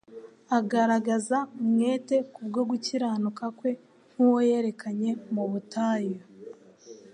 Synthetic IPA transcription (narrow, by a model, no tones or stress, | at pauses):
aɡaɾaɡazaumŋe̞ːte̞kuβɡo̞ɡuciɾaːnukakwe̞ | n̥huwo̞je̞ːɾe̞kaɲe̞muβutaːjo